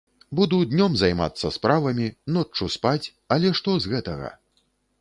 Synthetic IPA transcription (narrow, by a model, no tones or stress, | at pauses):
bud̪ud̪ʲnʲɔmzɐjma̰t̪sːɐspɾavɐmʲinɔt͡ʂːuspat͡sʲ | ɐlʲɛʂt̪ɔzɣɛt̪ɐɣɐ̰